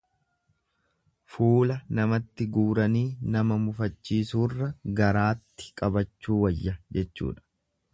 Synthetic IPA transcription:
fuːlɐnɐmɐt̪ːɪɡuːɾɐniːnɐmɐmʊfɐt͡ʃːiːsuːrːɐɡɐɾaːt̪ːɪ̥kʼɐbɐt͡ʃːuːwɐjːɐd͡ʒɛt͡ʃːṵːᶑɐ̥

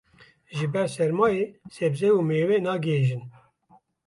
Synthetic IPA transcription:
ʒɨbɛɾsɛɾmɑːjeːsɛbzɛumeːwenɑːɡɨɦeːʒɨn

